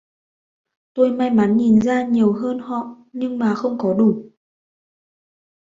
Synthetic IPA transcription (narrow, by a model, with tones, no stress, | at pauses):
t̪o˧jma˧jma˨˦nɲi˨˩nzaː˧ɲi˨˩əwɦəː˧nhɔ̰˧˨ | ɲɨ˧ŋmaː˨˩xə˧wŋ͡mkɔ˨˦ɗu˧˩